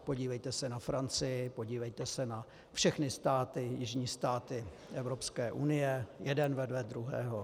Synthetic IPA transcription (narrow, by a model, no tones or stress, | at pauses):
po̞ɟiːvɛjt̪ɛsɛnafɾant͡sɪjɪpo̞ɟiːvɛjt̪ɛsɛna | fʃɛxnɪst̪aːt̪ɪjɪʒɲiːst̪aːt̪ɪ | ʔɛvɾo̞pskɛːʔunɪjɛjɛdɛnvɛdvɛd̪ɾuɦɛ̰ːɦo